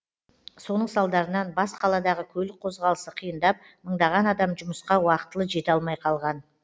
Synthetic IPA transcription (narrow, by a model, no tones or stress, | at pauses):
so̞nəɴsɑlˠd̪ɑɾənɑnbɑsqʰɑlˠɑd̪ɑʁəkʲʰɵlɪk̚qʰo̞zʁɑlˠəsəqʰijənd̪ɑp̚ | məɴd̪ɑʁɑnɑd̪ɑmʒʊməsqɑwɑqət̪əlˠəʒe̞t̪ɑlˠmɑjqʰɑlˠʁɑn